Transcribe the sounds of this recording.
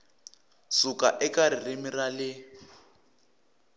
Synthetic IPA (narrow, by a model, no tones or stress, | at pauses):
sukaʔɛkaɾirimiralɪ